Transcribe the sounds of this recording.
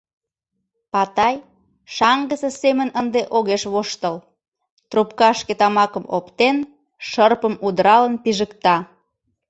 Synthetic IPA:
pɑt̪ɑj | ʃɑŋɡəsəsemənənd̪eʔoɣeʃβoʃt̪əl | t̪rupkɑʃket̪ɑmɑkəmo̰pt̪en | ʃərpəmud̪əɾɑlənpiʒəkt̪ɑ

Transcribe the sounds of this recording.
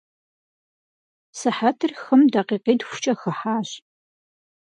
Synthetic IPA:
sɨħatʰɨrxɨmdaqeːqeːdxʷʊ̥t͡ʃʼɐxɐħaːɕ

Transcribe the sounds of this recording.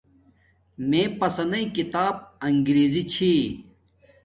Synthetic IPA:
mẽːpɐsɐnɐikit̪aːb̚ɐŋɡɾeːzit͡ɕʰi

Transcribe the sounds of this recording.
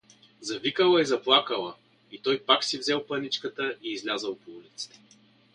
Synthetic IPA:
zɐvikəlˠɐizɐplˠakəlˠə | it̪ɔjpaksivzɛlˠpɐnit͡ʃkət̪əiːzlʲazəlˠpoulit̪si̥t̪ɛ̥

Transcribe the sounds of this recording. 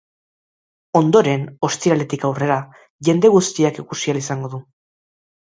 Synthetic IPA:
o̞nd̪o̞ɾe̞no̞st̪iɾale̞t̪ikawre̞ɾa | ʝe̞nd̪e̞ɣust̪iakikusialisaŋɡo̞ðu

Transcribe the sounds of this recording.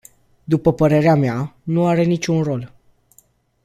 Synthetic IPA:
d̪upəpəɾe̞ɾeameanuaɾe̞nit͡ʃʲunro̞l

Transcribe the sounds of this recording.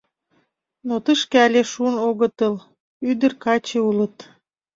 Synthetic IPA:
not̪əʃkeɑlʲeʃunoɣət̪əl | yd̪ərkɑt͡ɕeulət̪

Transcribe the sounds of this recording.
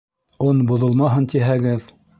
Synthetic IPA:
onbŏðolˠmɑɦɤnt̪iɦæɡɘð

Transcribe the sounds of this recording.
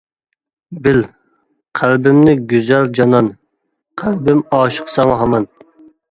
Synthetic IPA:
bɪl | qʰælbɪmnɪɡʲyzæld͡ʒɑnɑn | qʰælbɪmɑːʃə̥qʰsɑŋɦɑmɑn

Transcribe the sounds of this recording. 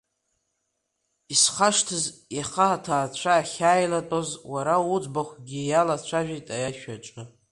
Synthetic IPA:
isχaʂtʰɨzjaχaatʰaːt͡ɕʷʰaːχʲaːjlatʼozwaɾaud͡zbaχʷɡʲijalat͡ɕʷʰaʒᶣitʼajaʃᶣaʈ͡ʂʷʼɨ

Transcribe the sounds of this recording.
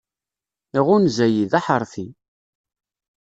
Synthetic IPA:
iʁʊnzæjiðaħəɾˤθi

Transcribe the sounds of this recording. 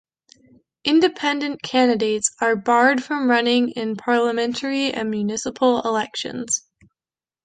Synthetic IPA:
ʔɪ̃ndɨpʰɛ̃ndɨ̃nkʰæ̃ndɨdeɪtsə˞bɑɹd̥fɹʌ̃mɹʌnɪ̃ŋɪ̃npʰɑɹlˠəmɛ̃ntʰə˞iɨ̰̃nmjʉnɪsəpʰl̩ˠɪlɛkʃɨ̰̃nz̥

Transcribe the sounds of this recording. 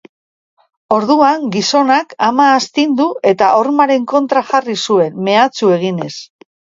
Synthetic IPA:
o̞ɾðuaŋɡiso̞nakamaːst̪ind̪uʔe̞t̪aʔo̞ɾmaɾe̞ŋko̞nt̪ɾaxarisue̞nme̞at͡sue̞ɣ̞ine̞s

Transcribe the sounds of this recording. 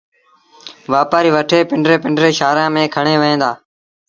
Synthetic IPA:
ʋaːpaːɾiːʋəʈʰeːpɪɳɖɾeːpɪɳɖɾeːʃaːɾãːmẽːkʰəɳẽːʋəẽːd̪aː

